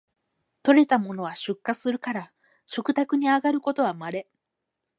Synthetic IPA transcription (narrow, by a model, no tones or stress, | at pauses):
t̪o̞ɾe̞t̪amo̞no̞βaɕɨkːasɨɾɯ̟kaɾa | ɕokɯ̟t̪akɯ̟ɲ̟iaɡaɾɯ̟ko̞t̪o̞β̞amaɾe̞